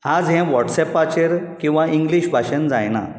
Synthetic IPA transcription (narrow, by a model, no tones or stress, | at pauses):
ad͡zɦɛ̃ʋɔʈsɛpːat͡ɕeɾkĩw̃ʋaʔiŋɡliɕbʱaɕənd͡zajna̰